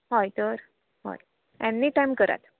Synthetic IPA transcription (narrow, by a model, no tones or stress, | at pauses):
ɦojt̪əɾ | ho̰j | enːiːʈajmkəɾa̰t̪